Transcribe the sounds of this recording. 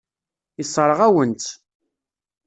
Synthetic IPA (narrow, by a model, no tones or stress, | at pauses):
isˤəɾˤəʁæwənt̪